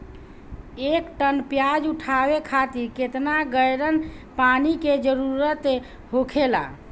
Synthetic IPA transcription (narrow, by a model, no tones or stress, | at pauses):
ekʈənpjad͡ʒuʈʰabekʰat̪iɾket̪naɡəjɾənpaniked͡ʒəɾuɾət̪ | ɦokʰela̰